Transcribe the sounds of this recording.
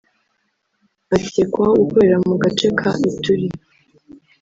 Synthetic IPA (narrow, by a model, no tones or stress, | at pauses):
acekwaɡukoɾeɾamuɡat͡ʃekʰaʔituɾi